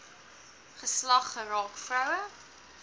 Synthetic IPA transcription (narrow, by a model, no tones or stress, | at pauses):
χəslɐχːərɑːkfrœwə